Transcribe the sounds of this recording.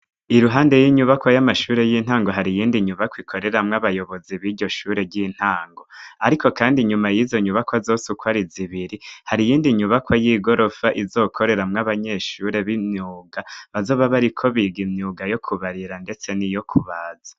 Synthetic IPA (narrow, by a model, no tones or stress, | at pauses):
iɾuɦaːnde̞jiɲuβakwojamaʃuːɾe̞jiːn̥aːŋɡo̞ɦaɾijiːndiɲuβakwikʰo̞ɾe̞ɾamŋaβajo̞βo̞ziβiːɾɟo̞ʃuːɾe̞ɟiːn̥haːŋɡo̞aɾikʰo̞kaːndiɲumajiːzo̞ɲuβakwazo̞ːsukwaɾiziβiɾihaɾijiːndiɲuβakwajiːɡo̞ɾʔo̞faʔizo̞kʰo̞ɾe̞ɾamŋaβaɲe̞ʃuːɾe̞βimɲuːɡaβazo̞ːβaβaɾikʰo̞βiɡimɲuɡajo̞kʰuβaɾiɾande̞t͡se̞nijo̞kʰuβaːza